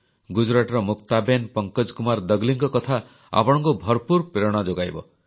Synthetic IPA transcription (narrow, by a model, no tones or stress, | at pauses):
ɡud͡ʒɾaʈɾɔmukt̪abenpɔŋkɔd͡ʒkumaɾd̪ʌɡliŋkɔkɔt̪ʰa | a̰pɔɽ̃ɔ̃ŋkubʱɔɾpuɾpeɾɔɽ̃ɔd͡ʒoɡajbɔ